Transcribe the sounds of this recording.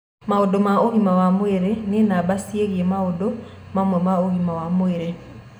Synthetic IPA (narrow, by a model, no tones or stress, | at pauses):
maodomaohimawamoeɾenenabasieɣiemaodo | mamwɛmaohimawamoeɾe